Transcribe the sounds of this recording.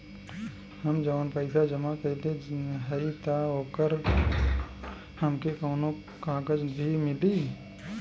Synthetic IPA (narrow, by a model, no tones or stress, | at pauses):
həmd͡ʒənpəɪsʰad͡ʒəmakəileɦəit̪aoːkəɾ | həmkekəːno | kãkəd͡ʒbʱimɪli